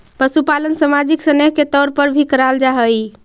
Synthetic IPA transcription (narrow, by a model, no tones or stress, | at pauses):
pəsupalənsəmad͡ʒiksəneɦket̪ɔɾpəɾbʱikəɾald͡ʒaɦəj